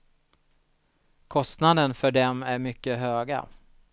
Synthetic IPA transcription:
kʰɔst̪nad̪ənfœɖɛmæɾmʏkːəɦøːɡa̰

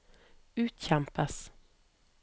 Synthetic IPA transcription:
ʉːt̪çɛmpəs

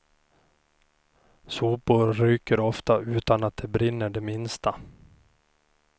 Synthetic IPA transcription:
suːpʊɾːyːkəɾɔft̪aʉ̟ːt̪anat̪̚d̪ɛbɾɪnːəɖɛmɪnst̪a

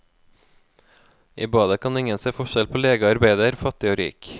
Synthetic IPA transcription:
ʔḭːbɑːd̪əkʰɑnɪŋənseːfɔʃɛlpʰoːleːɡəɑɾbæɪd̪əɾfɑt̪ɪoːɾḭːk

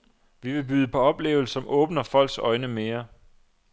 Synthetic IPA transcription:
ʋiʋe̝b̥yːð̞ˠəpʰɒ̽ɒ̽b̥le̝̰ːʊl̩sɒ̽mʔɔ̽ːb̥nɐfɒ̽l̰ɡ̥sɒ̽ɪnəmeːɐ

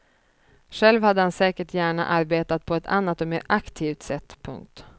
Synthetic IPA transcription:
ʂɛlvhad̪ːəhansɛːkəʈʰjæːɳa̰ʔaɾbeːt̪at̪̚pʰɔɛt̪ʰa̰nːat̪ːɔmḛːɾakt̪ʰiːft̪sɛt̪ːpʰɵ̰ŋk̚t̪

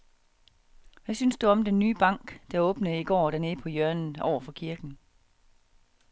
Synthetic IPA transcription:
ʋæsynsd̥uɒ̽md̥enːyːb̥ɑ̈ŋ̰ɡ̥d̥æɔ̽ːb̥nəiɡ̥ɒ̰ːd̥æɐne̝ðpʰɒ̽jœɐnn̩ɒʊ̰ɐfɒ̽kʰiɐɡ̥n̩

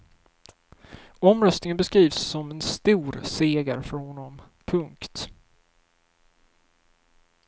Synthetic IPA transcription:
ɔmɾœst̪nɪŋənbɛskɾiːvsːɔmɛnst̪uːɾseːɡaɾfœɾhɔnːɔm | pʰɵŋkt̪

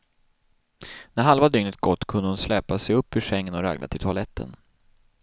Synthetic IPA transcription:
næɾɦalvad̪ʏŋnət̪̚ɡɔt̪ːkʰɵnd̪əhʊnslɛːpasɛjɵpːɵʂɛŋːənɔɾa̰ɡlʔa̰ɪlt̪ʰʊalɛt̪ʰːə̰n

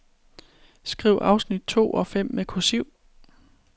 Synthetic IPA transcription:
sɡ̥ʁḭʊʔɑ̈ʊsnid̥̚t͡sʰo̝̰ːʔɒ̽fem̰ːekʰosyʊ̰

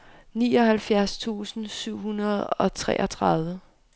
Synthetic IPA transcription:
niːɒ̽ɦælfjæɐst͡sʰṵːsn̩syʊ̰ɦunɐðˠɒ̽t͡sʰʁɛ̰ːʔɐt͡sʰʁɑðˠʋə

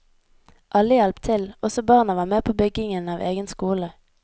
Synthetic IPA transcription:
ʔɑləjɑlpt̪ʰɪlʔɔsɔbɑːʁnəʋɑːmeːpʰoːbʏɡɪŋənɑːʋʔḛːɡənskuːlə

